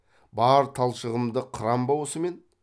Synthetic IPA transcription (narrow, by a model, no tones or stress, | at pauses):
bɑɾt̪ʰɑlˠʃəʁəmd̪əqʰəɾɑmbɑwosəme̞n